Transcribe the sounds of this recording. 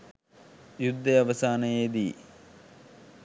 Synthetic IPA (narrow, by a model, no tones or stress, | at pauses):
jud̪ʱːɐɐʋɐsaːnɐjeːd̪i